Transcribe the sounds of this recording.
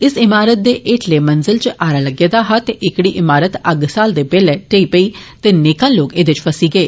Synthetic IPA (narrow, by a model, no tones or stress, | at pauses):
ɪsɪmaːɾət̪̚d̪eːʔeːʈʰleːmənzɪlt͡ʃʔaːɾaːləɡjeːd̪aːɦaːt̪eːʔɪkɽiːʔɪmaːɾət̪əɡsaːld̪eːpeːlɛːʈeiːpəiːt̪eːneːkãːloːkeːd̪et͡ʃpəsiːɡəeː